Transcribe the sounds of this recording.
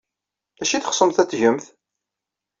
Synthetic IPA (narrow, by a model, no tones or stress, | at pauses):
æʃiθχə̥sˤəmθæt͡sːʝəmθ